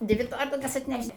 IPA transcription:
ˈdʲʋʲɪ ˈtoːrʲiɛlˠkɐs ɐtʲˈnʲɛʃʲtʲ

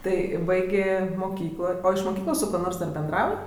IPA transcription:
ˈtɐɪ ˈbɐɪɡʲeː moːˈkʲiːklˠoː oː ɪʃ moːˈkʲiːklˠoːs sʊ ˈkuɔ ˈnoːrs ˈdɐr bʲɛnˈdrɐʊj

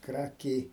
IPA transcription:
ˈkrɑːkʲɛɪ

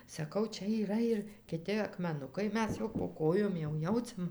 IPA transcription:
sɐˈkɐʊ ˈt͡ʃʲɛ iːˈrɐ ɪr kʲɪˈtʲɪ ɐkmʲɛˈnʊkɐɪ ˈmʲɛs jɛʊ poː ˈkoːjoːm jɛʊ ˈjɛʊt͡sʲɛm

